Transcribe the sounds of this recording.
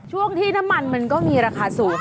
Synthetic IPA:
t͡ɕʰu˥˩əŋt̪ʰiː˥˩na˦˥mːa˧nma˧nkɔː˥˩miː˧ɾaː˧kʰaː˧suː˨˩

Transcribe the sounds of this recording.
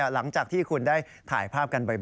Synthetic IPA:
a˥la˩˦ŋt͡ɕaː˨˩k̚t̪ʰiː˥˩kʰu˧ndaː˥˩j | t̪ʰa̰ː˨˩˦jpʰaː˥˩p̚ka˧nba˧jb

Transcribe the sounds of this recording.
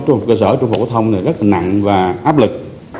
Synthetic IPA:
t͡ɕʊ˧h̚kəː˧s̬əː˧˩t͡ɕŋ͡mfo̰˨˩kːt̪ʰə˧wŋ͡mna˨˩zə˦˥laː˨˩na̰˧˨ŋvaː˨˩ʔaː˦˥p̚lɨ˨˩k̚

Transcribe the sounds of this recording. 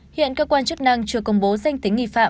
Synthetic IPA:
hḭ˧˨ənkəː˧kwaː˧nt͡ɕɨ˦˥k̚na˧ŋt͡ɕɨ˧əkə˧wŋ͡mɓo˨˦za˧jŋ̟t̪ï̟˨˦ḭ˧˨fa̰ː˧˨

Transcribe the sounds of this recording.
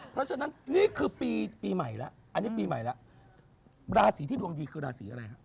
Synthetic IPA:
pʰɾɔ˦˥t͡ɕʰa˧na˦˥nniː˦˥˩kʰɯː˧piː˧piː˧ma˨˩˦jla˦˥ʔʔa˧nːiː˦˥piː˧ma˨˩jla˦˥ʔ | ɾaː˧siː˨˩˦t̪ʰiː˥˩du˧ə˧ŋjiː˧kʰɯː˧ɾaː˧siː˩˦ʔa˧ɾa˧jha˦˥ʔ

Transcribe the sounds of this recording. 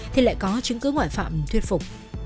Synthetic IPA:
t̪ʰi˨˩la̰ː˧˨jkɔ˨˦t͡ɕɨ˨˦ŋkɨ˨˦ŋwaː˧˩jfa̰ː˧˨mt̪ʰwi˧ət̚fʊ˨˩k͡p̚

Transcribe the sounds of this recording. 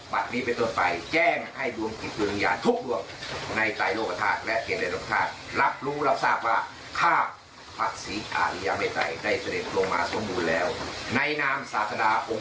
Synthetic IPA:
ba˨˩t̪̚niː˦˥pe˧nt̪o˧˥˩npa˧jt͡ɕɛː˥˩ŋha˥˩jdu˧əŋki˨˩t̪̚wi˧n˧njaː˧nt̪ʰu˦˥k̚du˧əŋ | na˧jt̪a˧˩jloː˥˧˩k̚ːa˧t̪ʰaː˥˩t̪̚lɛ˦˥ʔkʰeː˨˩t̚da˧jloː˥˩ka˧t̪ʰa̰ː˥˩t̪̚la˦˥p̚ɾuː˦˥ɾa˦˧˥p̚saː˥˩p̚waː˥˩ | kʰaː˥˩ | pʰa˧˩k̚siː˨˩˦ʔa̰ː˨˩t̪i˧˩jaː˧ŋma˧˥˩jt̪a˧jda˥˩jsa˧de˨˩t̪̚lo˧ŋma̰ː˧so˩˦mbuː˧nlɛː˦˥wna˧jnaː˥msaː˨˦˥t̪sa˧daː˧ʔo˧

